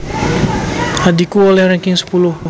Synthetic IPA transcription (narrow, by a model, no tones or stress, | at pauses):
hadikuolɛhrɛŋkɪŋsə̥pulʊh